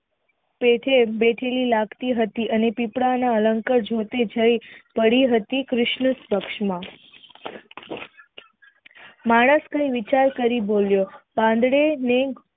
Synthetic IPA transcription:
peʈʰebeʈʰelilakt̪iɦət̪iʔənepipɽanaələŋkəɾd͡ʒʱot̪ed͡ʒəjpəɽiɦət̪ikɾɪʃɳəspəkʂmã | maɽ̃əskʰəjʋit͡ʃaɾkəɾiboljobãnd̪ɽene

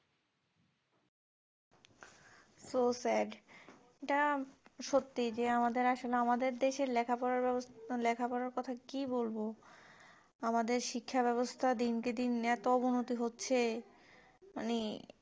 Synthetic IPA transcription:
sosɛɖ | eʈaʃot̪ːid͡ʑeamad̪eɾaʃoleamad̪eɾd̪eʃeɾlɛkʰapɔɾaɾlɛkʰapɔɾaɾkɔt̪ʰakibolbo | amad̪eɾʃikʰːaβɛβost̪ʰad̪inked̪inːeat̪oɔbonot̪iɦotːɕʰe | ma̰ni

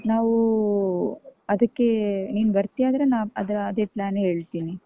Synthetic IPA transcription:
naːʋu | ɐd̪ɐkːe̞niːnbɐɾt̪ijaːd̪ɐɾenaːɐd̪ɐɾɐːd̪e̞ːplaːnɦe̞ːɭt̪iːni

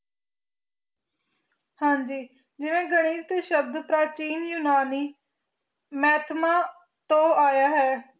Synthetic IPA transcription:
hãːɲd͡ʒiː | d͡ʒɪnẽːɡəɽ̃iːɾt̪eːʃəb̚d̪pɾaːt͡ʃiːnjuːnaːniː | mɛːt̪ʰmaː | t̪õːʔaːjaːɦɛː

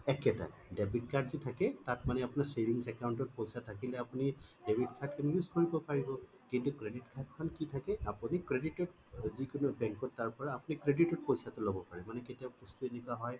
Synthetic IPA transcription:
ɛkːɛta̰jdebʱitkʰaɹdzitʰakɛtatmanɛapunaɹsebʱiŋsɛkawntɔt̚pojsatʰakilɛapunidebʱitkʰaɹdkɛnjuzkoɹibɔpaɹibɔ | kintukɹeditkʰaɹd̚kʰɔnkitʰakɛapunikɹeditɔt̚ | zikʊnɔbɛŋkɔtːaɹpɔɹaːpunikɹeditɔt̚pojsatʊlobɔpaɹɛmanɛketijabkustuenɛkuaɦɔj

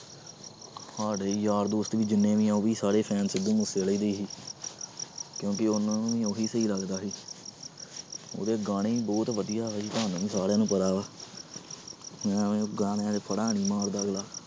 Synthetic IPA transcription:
haːɽeːjaːɾd̪oːst̪ʋiːd͡ʒɪnːẽːʋĩːãoːʋiːsaːɽeːpʰɛːnsɪd̪ũːmʊseːləiːd̪eːɦiː | kjõːkɪʊnãːnũːʋĩːoɦiːsəiːləɡd̪aːɦiː | o̰ːd̪eːɡaːɽ̃eːiːbɔːt̪ʋəd̪ijaːɛːd͡ʒiːt̪ʊɦaːnːũːʋĩːsaːɽeːnũːpəɾaːʋaː | mɛ̃ːẽːɡaːɽ̃eãːd͡ʒepʰəɽaːɳ̃iːmaːɾd̪aɡlaː

